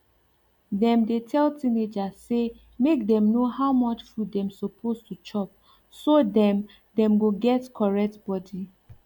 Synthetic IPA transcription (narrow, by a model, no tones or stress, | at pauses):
dɛ̃mdetʰɛltʰĩned͡ʒazse | mekdɛ̃mnohawmɔt͡ʃfudɛ̃msɔpʰostʰut͡ʃɔp̚ | sodɛ̃m | dɛ̃mɡoɡɛtkʰɔɹɛk̚tb̥ɔdi